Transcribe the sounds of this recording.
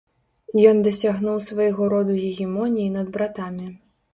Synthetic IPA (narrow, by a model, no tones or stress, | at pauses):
jɔnd̪ɐsʲaɣnuwsvajɣɔɾɔd̪uɣʲiɣʲimɔnʲijinɐd̪̚bɾat̪amʲi